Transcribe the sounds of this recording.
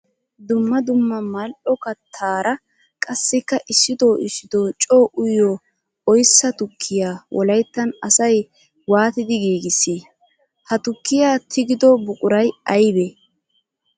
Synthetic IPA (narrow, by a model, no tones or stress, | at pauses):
d̪ʊmːɐd̪ʊmːɐmɐlʔɔkːɐt̪ʰaːɾɐ | kʼɐsːɪkːɐʔɪsːɪd̪oːʔɪʃːɪd̪oːt͡ʃʼoːʔʊjːo | ɔjsːɐt̪ʊkʰːɪjaːwʔɔlɐjt̪ːɐnɐsɐj | waːt̪ɪd̪ɪɡiːɡɪsːiː | hɐt̪ʊkːɪjaːt̪ʰɪɡɪd̪ɔbʊkʼʊɾɐjɐjbɛ